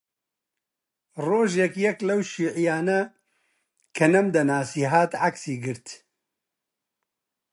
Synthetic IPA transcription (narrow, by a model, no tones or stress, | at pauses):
roːʒjɛkjɛklɐwʃiːʕijaːnɐ | kʰɐnɐmd̪ɐnaːsiːɦaːt̪ʕaksiːɡɨɾt̪